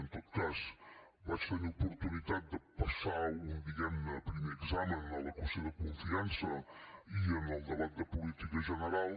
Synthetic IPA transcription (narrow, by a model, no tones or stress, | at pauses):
ənt̪ot̪̚kaz | bat͡ʃt̪əniupuɾt̪unit̪at̪̚d̪əpəsaund̪iɣɛmnəpɾimeəɡzamənələkuseðəkuɱfiansəiənəlˠd̪əβat̪̚d̪əpulit̪ikəʒənəɾalˠ